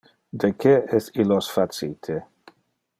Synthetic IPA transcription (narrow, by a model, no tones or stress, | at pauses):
d̪ekʰeɛsilosfasit̪ʰe